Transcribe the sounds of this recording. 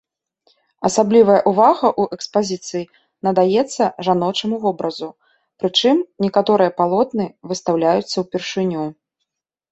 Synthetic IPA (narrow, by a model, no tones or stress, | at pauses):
ɐsablʲivɐjɐʔuvaɣɐʔuʔɛkspazʲit̪sɨji | nɐd̪ajɛt̪sːɐʐanɔt͡ʂɐmuvɔbɾɐzu | pɾɨt͡ʂɨmnʲɛkat̪ɔɾɨjɐpalˠɔt̪nɨvɨst̪awlʲajut̪sːɐwpʲɛrʂɨnʲu